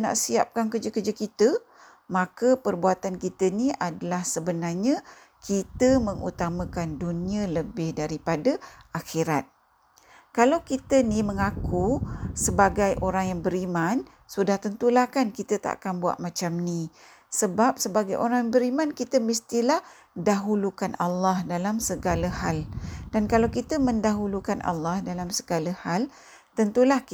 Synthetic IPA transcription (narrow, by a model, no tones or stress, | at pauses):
na̰ʔsia̰p̚kankərd͡ʒəkərd͡ʒakit̪ə | mãkapərbuat̪ankit̪əniʔadalahsəbənarɲã | kʰit̪əməŋʔṵt̪amãkanduniələbɪhdaɾipadaaxiɾat̪̚ | kalawkit̪əniməŋakusəbaɡajʔoɾaŋjaŋbəɾiman | sudaht̪ənt̪ulahkankit̪ət̪a̰ʔa̰kanbua̰ʔ̪̚mãt͡ʃamni | səbap̚səbaɡajʔoɾaŋjaŋbəɾimãnkit̪əmist̪ilah | daɦulukanalːahdalamsəɡalahald̥ankalawkit̪əmə̃ndaɦulukanʔa̰lːahdalamsəɡalahal | t̪ənt̪ulah